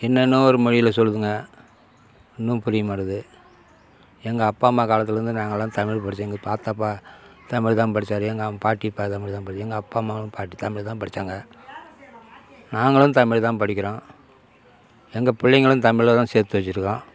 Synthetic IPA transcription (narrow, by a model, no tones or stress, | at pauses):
ɛnːɐnːɯ̃ɔɾɯmɔɻɪjɪlɐsɔlːɯðɯŋɡɐ | ɪnːɯ̃pʊɾɪjɐmaːɾɐðɯ | ɛŋɡɐːpːaːmaːkaːlɐt̪ːɪlɾɯnd̪ɯnaːŋɡɐɭlãːt̪ɐmɪɻpɐɽɪt͡ʃːeːŋɡɐpaːt̪ɐpːaːt̪ɐmɪɻt̪ãːpɐɽɪt͡ʃːaːɾɯɛŋɡɐpaːʈːipaːt̪ɐmɪɻt̪ãːpɐɽɪt͡ʃːɛŋɡɐːpːaːmaːŋɡɐɭɯ̃mpaːʈːit̪ɐmɪɭt̪ãːpɐɽɪt͡ʃːaːŋɡɐ | naːŋɡɐɭɯ̃t̪ɐmɪɻt̪ãːpɐɽɪkʲːɪɾõː | ɛŋɡɐpɪɭːɐŋɡɐɭɯ̃nt̪ɐmɪɭlɐt̪ãːseːɾt̪ːɯʋɐt͡ʃːɪɾɯkːãː